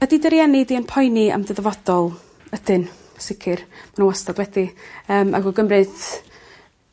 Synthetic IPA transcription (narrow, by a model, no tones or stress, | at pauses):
ɛdidəɾjɛnidiənpʰɔjnia̰mdəðəvɔd̥ɔlˠ | ədɨn | sɪkʰɪrmanənwastadwɛdiəːma̰ɡɔɡəmrɨd̥